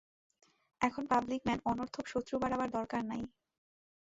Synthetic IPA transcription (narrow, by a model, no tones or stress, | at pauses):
ɛkʰonpablikmɛnɔnoɾt̪ʰomʃot̪ːɾubaɽabaɾd̪ɔɾkaɾnaj